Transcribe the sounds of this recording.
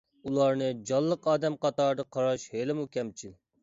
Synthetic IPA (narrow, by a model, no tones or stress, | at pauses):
ulˠɑɾnɨd͡ʒɑlˠːəqɑːd̪ɛmqʰɑt̪ɑɾd̪ɑqʰɑɾɑʃhelɪmukʲʰɛmt͡ʃʰil